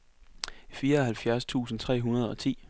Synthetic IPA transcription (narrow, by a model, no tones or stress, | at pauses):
fiːɐɒ̽hælfjæɐst͡sʰṵːsn̩t͡sʰʁɛ̰ːɦunɐð̞ˠɒ̽t͡sʰḭː